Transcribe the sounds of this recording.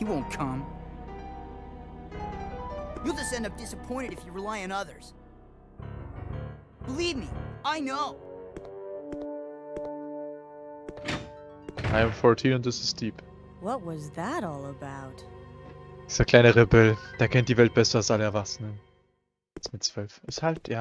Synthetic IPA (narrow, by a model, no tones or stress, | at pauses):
hiwõʊ̃nkʰʌ̃m | julˠd͡ʒəsɛ̃ndʌp̚d̥ɪsəpʰɔ̃ɪ̃ɾ̃ɨɾɨfjɨɹilaɪɨ̃nʌðə˞z̥ | b̥əlivmiaɪnoʊ | ʔaɪə̃mfɔɹtʰiːnʊ̃ntɪsɪstd̥iːp | wʌt̚wʌzðəɾɔlˠəbaʊt | ɪstakʰl̥aɪnəʁebɛld̥aːkʰɛntd̥iːvɛlt̚b̥ɛsɐalsʔaləɛɐvasənən | ɛsmɪt̚t͡sv̥œlfʔɛshaltjaː